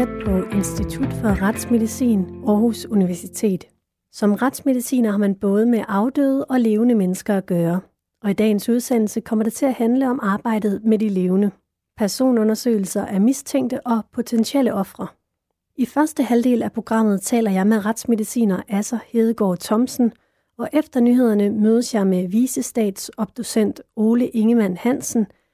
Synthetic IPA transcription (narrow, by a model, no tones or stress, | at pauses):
ed̥̚pʰɒ̽ʔe̝nsd̥it͡sʰud̥fɒ̽ʁɑd̥sme̝ðˠisḭːnɒːhusuniʋæɐsit͡sʰe̝̰ːd̥ | sɒ̽mʁɑd̥sme̝ð̞ˠisḭːnɐhɑ̈mænb̥ɔ̽ːð̞ˠəmeʔɑ̈ʊd̥ø̰ːð̩ˠəʔɒ̽le̝ːʊnəmenəsɡ̥ɐæɡ̥ɶːɐ | ɒ̽id̥ɛ̰ːn̩suð̞ˠsen̰l̩səkʰɒ̽m̰ɐɾ̥et͡sʰe̝læhænləɒ̽mɑ̈ːb̥ɑ̈ɪ̰d̥ð̩ˠmedile̝ːʊnə | pʰæɐso̝̰ːnɔ̽nɐsø̰ːɪl̩sɐʔæɐmist͡sʰeŋ̰d̥əʔɒ̽pʰo̝t͡sʰenɕieləʔɒ̽fʁɐ | ʔifɶɐsd̥əhæld̥e̝̰ːlæpʰʁo̝ɡ̥ʁɑ̈m̰ð̞̩ˠt͡sʰɛ̰ːlɐjɑ̈ɪmeʁɑd̥sme̝ðˠisḭːnɐʔæsɐhe̝ːð̞ˠɡ̥ɒ̰ːt͡sʰɒ̽msn̩ | ɒ̽ʔefd̥ɐnyɦe̝ð̞̰ˠɐnəmøːðˠəsjɑ̈ɪmeʋiːsəsd̥ɛ̰ːd̥sɒ̽b̥̚d̥o̝sen̰d̥o̝ːləʔe̝ŋəmæn̰hæn̰sn̩